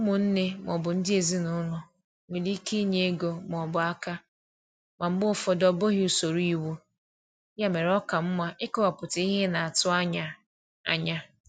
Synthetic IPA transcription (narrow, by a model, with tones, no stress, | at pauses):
ʊ˦mʊ˨n̩˦ne˦m˨ɔ̰˨bʊ˨n̩˦dɪ˦e˨zi˦nʊ˦nʊ˨ | me˨li˦i˦ki˦ɲe˦e˦ɡo˨m˨ɔ˨bʊ˨a˦ka˦ | ma˨m̩˦bʊ˦ʊ˦fɔ˨dɔ˨bo˦ɦɪ˦u˨so˨ɾu˦i˦wu˦ | ja˦me˨ɾɔ˦ka˨m̩˦ma˦ʔɪ˦kʊ˦wa˨pʊ˨ta˨˦i˦ɦe˦na˨a˨tʊ˦a˦ɲa˨ | a̰˨ɲa˦